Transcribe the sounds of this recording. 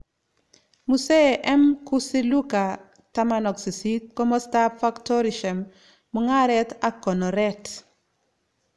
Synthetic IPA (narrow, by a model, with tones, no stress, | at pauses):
muse˦ʔɛ˦mkusi˦luka˨ | tamanɔ˨ksi˨sit̚kɔ˦mɔ˦stapfaktɔɾiʃɛ˨mː | u˨ŋa˦ɾɛta˦kɔ˨nɔ˨ɾɛt